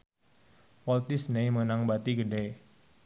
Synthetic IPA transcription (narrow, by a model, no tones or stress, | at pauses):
wɔlt̪ɪsnejmənaŋbat̪iɡədɛj